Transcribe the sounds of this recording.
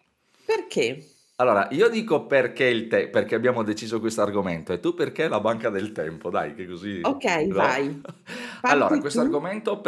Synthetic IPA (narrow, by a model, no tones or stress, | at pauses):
perkʰe | alːoːɾa̰ʔiːod̪iːkoperk̟eilt̪eperk̟eabːjaːmod̪et͡ʃiːzokwest̪oarɡoment̪oɛt̪ːupːerkelabaŋkad̪elt̪ɛmpod̪a̰jkekːoziokɛjlaj | falːoːɾaikwest̪arɡoment̪op